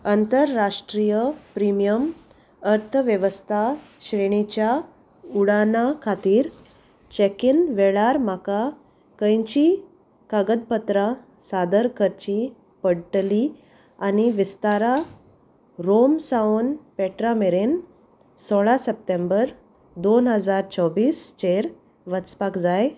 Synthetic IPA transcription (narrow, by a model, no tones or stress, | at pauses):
ənt̪əɾːaʂʈɾijəpɾimijəm | əɾt̪ʰəʋjəʋəst̪ʰa | ɕɾeɳ̃it͡ɕja | uɽanakʰat̪iːɾ | t͡ɕekinʋeɭaɾm̤aka | kə̃jt͡ɕiː | kaɡəd̪̚pət̪ɾa | sad̪əɾkʰəɾt͡ɕi | pəɽʈli | aniʋist̪aɾa | ɾomsaonpɛʈɾameɾen | sɔɭasəp̚ʈ̪ẽmbəɾ | d̪onɦəd͡zaɾt͡ɕəʋiːst͡ɕeɾ | ʋət͡spakd͡zaj